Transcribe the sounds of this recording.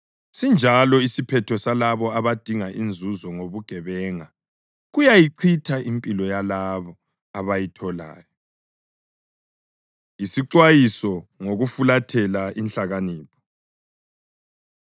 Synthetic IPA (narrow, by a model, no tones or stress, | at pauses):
sind͡ʒʱalɔisipʰɛtʰɔsalaβɔaβad̥ʱiŋaʔind͡zʱuzɔŋoβuɡ̥ʱɛβɛŋa | ɣujajiǀʰitʰaimpʼilɔjalaβɔ | aβajitʰɔla̰ːjɔ | isiǃwajisɔŋoɣufulatʰɛlaint͡ɬaɣaniːpʰɔ̥